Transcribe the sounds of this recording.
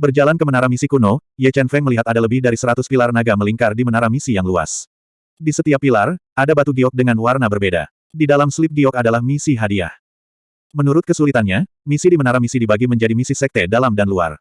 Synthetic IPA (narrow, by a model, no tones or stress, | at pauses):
bərd͡ʒalankəmənaɾamisikunojɛt͡ʃɛnfɛŋməliɦat̪adaləbɪhdaɾisəɾat̪ʊspilarnaɡaməliŋkardimənaɾamisijaŋlua̰s | disət̪iapːilaradabat̪uɡiɔk̚dəŋanwarnabərbeda̰ | didalamslip̚ɡiɔkadalahmisiɦadia̰h | mənuɾʊt̪̚kəsulit̪anɲa | misidimənaɾamisidibaɡiməɲd͡ʒadimisisɛk̚t̪ɛdalamdanlua̰r